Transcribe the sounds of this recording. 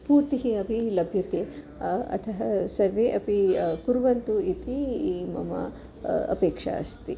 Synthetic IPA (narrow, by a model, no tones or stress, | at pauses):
spuːɾt̪iɦiɐbʱilɐbʱjɐt̪eː | ɐ̰t̪ʰɐɦɐsɐɾʋeːʔɐpikuɾʋɐnt̪uit̪imɐ̰mɐ̰ | ɐ̰peːkʂa̰ɐ̰st̪i